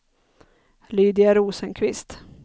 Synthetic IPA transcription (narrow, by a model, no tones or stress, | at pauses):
lyːd̪ɪaɾuːsənkʰvɪst̪